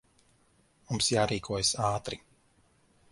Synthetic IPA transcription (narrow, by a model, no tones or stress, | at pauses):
mumsjaːɾiːkʰuɔjsaːt̪ɾi